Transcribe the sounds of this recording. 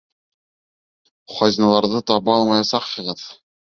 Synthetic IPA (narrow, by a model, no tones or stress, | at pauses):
χɒzʲinɑlˠɑɾðɤt̪ɑβɤɑlˠmɑjɑsɑqhɤ̆ʁɤð